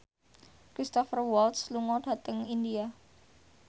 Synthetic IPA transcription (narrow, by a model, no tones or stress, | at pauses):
kɾist̪ɔfərwɔlt̪sluŋɔd̥a̤t̪əŋindia